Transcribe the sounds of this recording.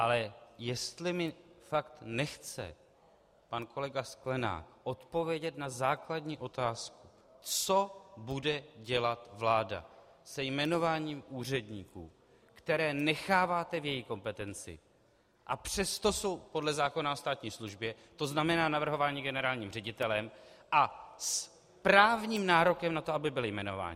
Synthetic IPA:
ʔalɛjɛst̪lɪmɪfakt̪nɛxt͡sɛ̰ | panko̞lɛɡasklɛna̰ːkʔo̞t̪po̞vjɛɟɛt̪nazaːkladɲiːʔo̞t̪aːsku̥ | t͡so̞budɛɟɛlat̪vlaːda̰ | sɛjmɛno̞vaːɲiːmuːr̝ɛdɲiːkṵː | kt̪ɛɾɛːnɛxaːvaːt̪ɛvjɛjiko̞mpɛt̪ɛnt͡sɪ̰ | ʔapr̝̥ɛst̪o̞so̞wpo̞dlɛzaːko̞naost̪aːt̪ɲiːsluʒbjɛ | t̪o̞znamɛnaːnavr̩ɦo̞vaːɲiɡɛnɛɾaːlɲiːmrɛɟɪt̪ɛlɛmʔas | pɾaːvɲiːmnaːɾo̞kɛmnat̪oabɪbɪlɪjmɛno̞̰va̰ːɲ

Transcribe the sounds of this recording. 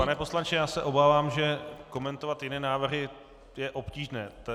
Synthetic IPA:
panɛposlant͡ʃɪjaːsɛʔo̞baːvaːmʒɛko̞mɛnt̪ovat̪jɪnɛːnaːvr̩ɦɪ | jɛʔo̞pciːʒnɛːt̪

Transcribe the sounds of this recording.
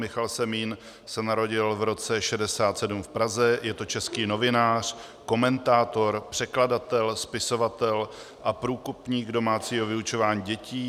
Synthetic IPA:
mɪxalsɛmiːn | sɛnaɾo̞ɟɪlvɾo̞t͡sɛʃɛdɛsaːt̪sɛdumfpɾazɛjɛt̪o̞t͡ʃɛskiːno̞vɪnaːr̝̥ | ko̞mɛnt̪aːt̪o̞ɾpr̝̥ɛkladat̪ɛlspɪso̞vat̪ɛl | ʔapɾuːkupɲiːɡdo̞maːt͡siːɦo̞vɪut͡ʃo̞vaːɲiːɟɛciː

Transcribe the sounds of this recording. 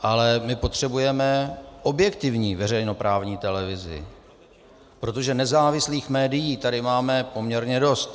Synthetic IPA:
ʔalɛmɪpo̞t̪r̝̥ɛbujɛmɛʔo̞bjɛkt̪ɪvɲiːvɛrɛjno̞pɾaːvɲiːt̪ɛlɛvɪzɪ̰ | pɾo̞t̪o̞ʒɛnɛzaːvɪsliːxmɛːdɪjiːt̪adɪmaːmɛpo̞mɲɛɾɲɛdo̞st̪

